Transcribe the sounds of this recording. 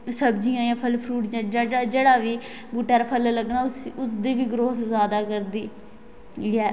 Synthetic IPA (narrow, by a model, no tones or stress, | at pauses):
səbd͡ʒijãːjãːpʰəlpʰɾuːʈjãːd͡ʒad͡ʒeːɽaːʋiː | buːʈaːɾapʰəlləɡnaːʊsʊsd̪iːʋiːɡɾoːt̪zjaːd̪aːkəɾd̪iː | ɦɛː